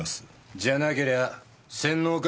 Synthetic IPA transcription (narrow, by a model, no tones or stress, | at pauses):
as | d͡ʑanakeɾea | sẽnːoːk